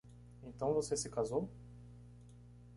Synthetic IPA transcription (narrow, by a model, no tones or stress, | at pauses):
ẽt̪ɐ̃w̃vosesɪkazow